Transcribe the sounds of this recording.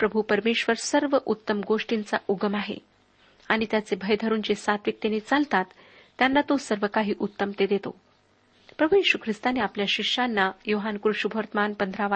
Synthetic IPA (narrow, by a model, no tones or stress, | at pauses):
pɾəbʱupəɾmeɕʋəɾsəɾʋəʔut̪ːəmɡoʂʈint͡saʔuɡəmaɦḛ | aɽ̃it̪jat͡sebʱəjd̪ʱəɾuːnd͡ʑesat̪ʋik̚t̪enet͡salt̪at̪ː | janːat̪osəɾʋəkaɦiːʔut̪ːəmt̪ed̪et̪o̰ | pɾəbʱujeɕukʰɾist̪aneapljaɕikʂanːajoɦankɾuʂubʱəɾt̪əmanpənd̪ʱɾaʋa